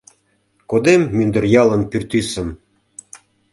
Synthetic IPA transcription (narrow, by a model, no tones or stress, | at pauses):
kod̪emːynd̪ə̆rjɑlə̆npyrt̪ysə̆m